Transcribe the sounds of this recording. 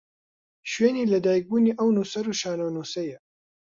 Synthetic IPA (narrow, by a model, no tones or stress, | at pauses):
ʃɥeːniːlɐd̪aːjik̚buːniːʔɐwnuːsɐɾuʃaːnɐwnuːsɐjɐ